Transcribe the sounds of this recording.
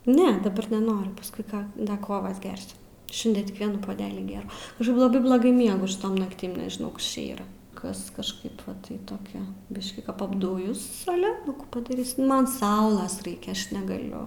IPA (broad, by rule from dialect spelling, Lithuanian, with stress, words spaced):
ˈnʲɛ dɐˈbɐr nʲɛˈnoːrʲʊ pɐsˈkʊɪ ˈkɐ ˈdɐ ˈkoːʋɐs ˈɡʲɛrʲsʲʊ ˈʃʲɪnʲdʲiɛ tʲɪk ˈʋʲiɛnuː poːˈdʲæːlʲiː ˈɡʲeːrɐʊ ˈɐʃ lˠɐˈbɐɪ blˠoːˈɡɐɪ ˈmʲiɛɡʊ ʃʲɪˈtoːm nɐkˈtʲɪm nʲɛʒʲɪˈnɐʊ ˈkɐs t͡ʃʲɛ ˈiːrɐ ˈkɐs kɐʃˈkɐɪp ˈʋɐ tɐɪ toːˈkʲɛ ˈbʲɪʃʲkʲiː kɐp ɐbˈdʊjʊs ɐˈlʲɛ nʊ kuː pɐdɐˈrʲiːsʲɪ ˈmɐn ˈsɐʊlˠɐs ˈrɐɪkʲɛ ˈɐʃ nʲɛɡɐˈlʲʊ